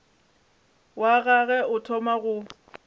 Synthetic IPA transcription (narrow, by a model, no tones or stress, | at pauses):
waɣaɣɛʊtʰɔmaɣʊ